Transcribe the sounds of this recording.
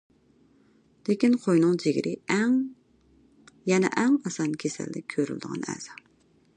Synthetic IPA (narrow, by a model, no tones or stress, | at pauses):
lekʲinqʰojnɨŋd͡ʒeɡʲɾɪɛŋ | jɛnɛ̰ʔɛŋɑsɑnkʲʰesɛ̰lːɪk̚ʲkʲʰøɾy̰ld̪əʁɑ̰nɛ̰z̥ɑ